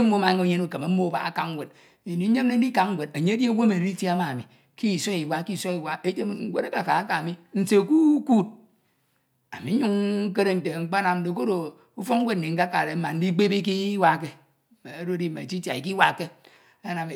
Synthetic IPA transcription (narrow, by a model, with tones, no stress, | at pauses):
m̩˦mo˦ma˨˦ŋo˦ɲe˦nu˦˨ke˨ma˨m̩˦mo˦˨˦ba̰˨a̰˨ka˨ŋŋ˦ɡʷe˨d | e˨ni˨˦ɲe˦mne˦n̩˦i˦ka˨ŋŋ̩˦ɡʷe˨d̚e˨ɲe˦dje˦wo˦me˨˦i˦tje˦a˦ma˨mi˨ | ki˦˨so˦i˨wa˦ki˦˨so˦i˨wa˦e˦te˦m˨ŋ̩˦ɡʷḛ˦ɾa˦ka˨ka˨a˦ka˨a˨mi˦n̩˨se˨ku˦ku˦˨t̚ | a˨mi˨˦ɲu˦ŋ̩˦ke˦ɾe˦n̩˨te˨ŋ͡m̩˦k͡pa˦na˨m̩˦de˨k̬o˦ɾo˨ | u˦fo˦kŋ̩˦ɡʷe˦d̚n̩˨i˨ŋ̩˦a˦ka˨ɾe˨m̩˦ma˨n̩˦di˦k͡pe˦bi˦k̬i˦wa˦˨ke˦˨ | m˨e˦ɾo˦di˦mḛ˨t͡ʃi˦tja˨i˨ki˦wa˦ke˦ | a˦na˨m˨